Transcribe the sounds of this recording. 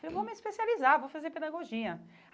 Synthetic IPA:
ewvowmɪispesializavowfazeɾped̪aɡoʒĩɐ

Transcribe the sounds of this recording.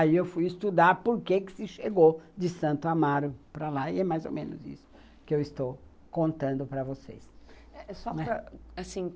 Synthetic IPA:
aiewfujɪst̪ud̪aɾpoɾkekɪ̥sɪʃeɡod͡ʒɪsɐ̃nt̪ʊamaɾʊpɾalaɪɛmajzo̰mẽnʊ̰zḭsʊ̥ | kɪewɪst̪ow | kõnt̪ɐ̃nd̪ʊpɾɐvosḛsɛɛsɔɛɾɐasĩ

